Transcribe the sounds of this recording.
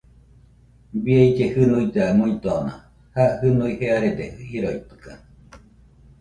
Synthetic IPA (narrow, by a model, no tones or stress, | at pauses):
bieid͡ʒehɨnuit̪aamuit̪oana̰ | hahɨnuiheaɾed̪eɯhiɾoit̪ɨ̥ka